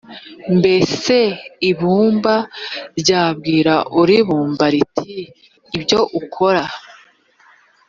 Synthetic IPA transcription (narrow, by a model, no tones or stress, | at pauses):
mbe̞se̞iβuːmbaɾɟaːbɡiːɾaʔuɾiβuːmbaɾitʰiː | bɟo̞ʔukʰo̞ɾa